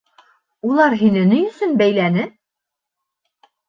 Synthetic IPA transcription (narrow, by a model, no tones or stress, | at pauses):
ulˠɑɾɦinɘ̆nɘjɵ̆sɵnbæjlænɘ